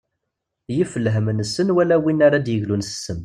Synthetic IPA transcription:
jifəlːɦəmənsənwælæwinaɾad̪jəʝlunsə̥sːəm

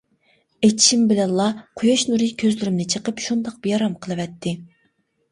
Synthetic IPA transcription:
et̪ʰi̥ʃimbɪlɛnlˠɑqʰʊjɑʃnuɾɨkʲʰøzlyɾymnɪt͡ʃʰəqəpʃund̪ɑq̚b̥ijɑɾɑmqʰəlˠɨwɛt̪ʰːɪ

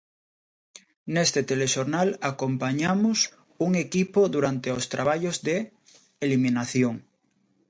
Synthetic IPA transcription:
nest̪et̪eleʃoɾnalakompaɲamos | uŋekipoðuɾant̪eost̪ɾaβ̞aʎozðeː | limĩnaθjoŋ

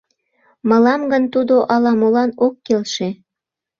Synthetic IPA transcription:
mə̆lɑmɡənt̪ud̪oʔɑlɑmolɑnokːelʃe

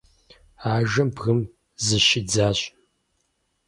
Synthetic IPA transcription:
aːʒɐmbɣɨm | zɨʃɪd͡zaːɕ

